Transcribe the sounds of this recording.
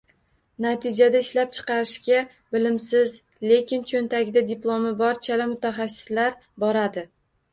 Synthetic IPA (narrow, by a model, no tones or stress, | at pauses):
nat̪ʰɪd͡ʒad̪aɪʃlap̚t͡ʃʰɨ̥qʰɑɾɪʃɡʲa | bɪlɪmsɪz | le̞kʲɪnt͡ʃʰont̪ʰaɡʲɪd̪ad̪ɪplˠomɪbɒɾt͡ʃʰalɪmʊt̪ʰaχɑsːɪ̥slaɾbɒɾad̪ɪ